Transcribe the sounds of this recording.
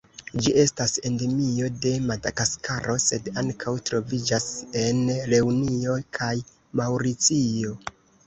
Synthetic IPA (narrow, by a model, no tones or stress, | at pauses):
d͡ʒiʔe̞stase̞nde̞mio̞de̞madakaskaɾʔo̞se̞daŋkʰawtɾo̞vid͡ʒase̞nɾe̞unio̞jkʰaj | mawɾit͡sio̞